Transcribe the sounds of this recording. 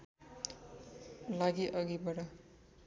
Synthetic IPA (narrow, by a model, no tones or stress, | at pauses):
laɡiʔʌɡibʌɽʌ